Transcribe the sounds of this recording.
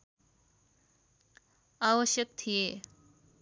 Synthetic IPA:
aʋəɕjək̚t̪ʰije

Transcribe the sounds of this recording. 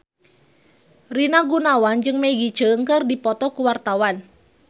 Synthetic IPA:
rinaɡunawand͡ʒɨŋmeɡit͡ʃəəŋkərdipɔt̪ɔkuwart̪awan

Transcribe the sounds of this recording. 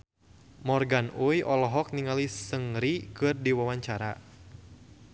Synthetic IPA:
mɔrɡanujʔɔlɔɦɔk̚niŋalisəŋɾikɨrdiwawaɲt͡ʃaɾa

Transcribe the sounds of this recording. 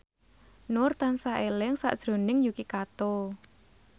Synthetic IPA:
nʊrt̪ansaʔelɪŋsa̰ʔd̥ʒ̥ɾo̤nɪŋjukikat̪o

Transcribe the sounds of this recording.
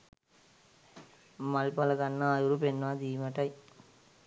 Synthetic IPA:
mɐlpɐlɐɡɐnːɐajuɾupenːʋaːd̪iːmɐʈɐj

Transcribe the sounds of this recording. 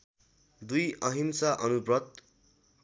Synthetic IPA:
d̪ujʌɦimsaʔʌnubrʌt̪̚

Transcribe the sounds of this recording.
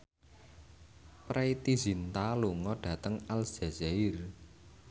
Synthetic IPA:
pɾait̪izint̪aluŋɔɖ̥ä̤t̪əŋalz̥azair

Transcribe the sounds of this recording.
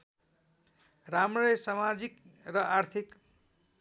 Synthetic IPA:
ramrʌjsamad͡zikrʌʔart̪ʰik

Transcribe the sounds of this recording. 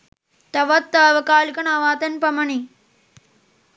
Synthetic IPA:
t̪ɐʋɐt̪ːaːʋɐkaːlkɐɳaʋaːt̪ɐnpɐmɐɳi

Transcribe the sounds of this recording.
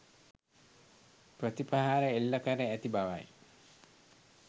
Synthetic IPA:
prət̪ipaɦaːɾəelːəkəɾeæt̪ibaʋa̰j

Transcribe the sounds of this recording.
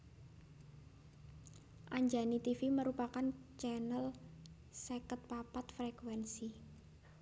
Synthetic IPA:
ʔaɲd͡ʒanit̪ifiməɾupakant͡ʃɛnəl | sekət̪̚papat̪fɾekwɛnsi

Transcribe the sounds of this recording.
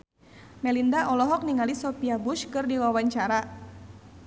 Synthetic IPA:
mɛlindaʔɔlɔɦɔk̚niŋalisɔpiabuʃkɨrdiwawaɲt͡ʃaɾa

